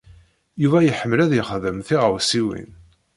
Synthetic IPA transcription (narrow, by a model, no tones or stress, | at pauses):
juvæjəħəmlæðjiχðəmθiʁəwsiwḭn